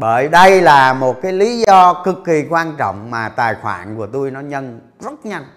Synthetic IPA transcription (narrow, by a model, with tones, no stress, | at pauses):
ɓəː˧˩jɗə˧jlaː˨˩mo˨˩t̚kaː˨˦jli˨˦zɔ˧kɨ˨˩kːi˨˩kwaː˧nt͡ɕɔ̰˧˨wŋ͡mmaː˨˩t̪aː˨˩jxwa̰ː˧˩nku˧˩ət̪u˧jnɔ˨˦ɲə˧n | zə˦˥t̚ɲa˧n